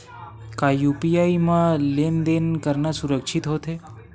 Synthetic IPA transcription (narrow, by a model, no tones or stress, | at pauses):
kajupijaimãlend̪enkəɾnasuɾəkʃʰit̪ɦot̪ʰe